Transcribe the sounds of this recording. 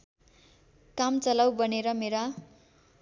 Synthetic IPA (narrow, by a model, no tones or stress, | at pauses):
kamt͡sʌlawbʌneɾʌmeɾa